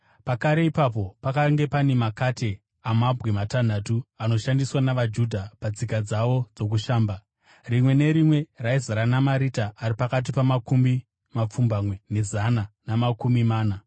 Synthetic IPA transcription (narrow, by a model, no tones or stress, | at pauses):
pakaɾe̞ipap̬o̞pakaŋɡe̞pane̞makatʰe̞ | amabʱwematan̤atuano̞ʃandiswanaʋad͡ʒudʱapad͡zikad͡zaʋo̞d͡zo̞k̬uʃaːmba | rimwe̞ne̞ɾimwe̞raizaɾanamaɾitaːɾipakat̬ipamakumbi | map͡fumbamwe̞ne̞zananamakumimaːna